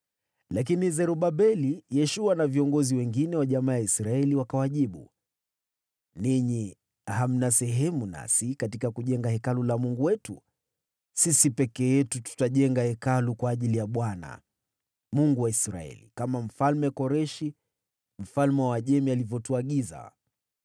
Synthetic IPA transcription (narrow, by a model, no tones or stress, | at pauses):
lak̬inizɛɾuɓaɓɛlijɛʃuwanaviɔŋɡɔziwɛŋɡinɛwaʄamaːjaisɾaɛliwakawaʄiɓṵ | niɲi | ham̩nasɛɦɛmuna̰sikatikakuʄɛŋɡahɛkalulamuŋɡuwɛtu | sisipɛkɛjɛtutu̥taʄɛŋɡahɛkalukwaːʄilijaɓwana̰ | muŋɡuwaisɾa̰ɛ̰lḭkamam̩falmɛkɔɾɛʃi | m̩falmɛwaʄɛmialivjɔtuaɠiza̰